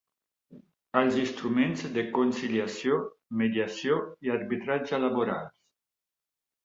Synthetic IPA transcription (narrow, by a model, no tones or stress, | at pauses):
alzinst̪ɾumenzd̪əkonsiljasjomeðiasjoiaɾβit̪ɾad͡ʒalaβoɾa̰ls